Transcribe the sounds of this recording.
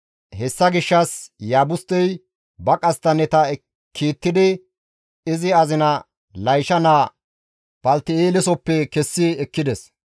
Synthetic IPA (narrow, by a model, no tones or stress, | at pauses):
hɛsːɐɡɪʃːɐsjaːbʊst̪ːɛj | bɐkʼɐst̪ːɐnɛt̪ɐ | kʰːiːt̪ːɪd̪ɪ | ɪzɪɐzɪnɐ | lɐjʃɐnaː | b̥ɐlt̪ːɪeːlɛsɔpːɛkɛsːɪɛkːɪd̪ɛs